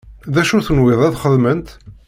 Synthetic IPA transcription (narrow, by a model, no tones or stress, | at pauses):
ðæʃuθənwɪðˤæðχəðmənt̪